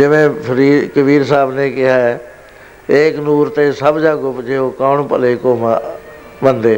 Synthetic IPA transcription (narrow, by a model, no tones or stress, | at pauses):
d͡ʒɪʋẽːpʰəɾiːkəbiːɾsaːbneːkɪɦaːɛː | eːknuːɾt̪eːsəbd͡ʒaːɡʊpd͡ʒeːoːkaːɳpə̰leːkoːma | bənd̪eː